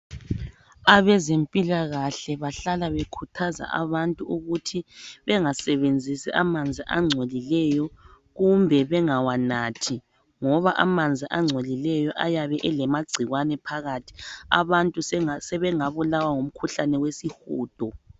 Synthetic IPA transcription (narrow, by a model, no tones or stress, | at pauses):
aβɛzempʼilaɣaɬɛβaɬalaβekʰutʰaza̰ʔa̰βantʼuuɣutʰiβɛŋasɛβend͡zʱisɛ̰ʔamand͡zʱiʔa̰ŋ͡ǀʱolilɛjɔ | ɣumbʱɛβɛŋawanaːtʰi | ŋɔβaʔamand͡zʱiʔaŋ͡ǀʱolilɛjɔʔajaβɛʔɛlɛmaɡ͡ǀʱiɣwanɛpʰaɣatʰi̥a̰βantʼusɛβɛŋaβulawaŋum̩kʰuɬanɛwesixuːd̥ʱɔ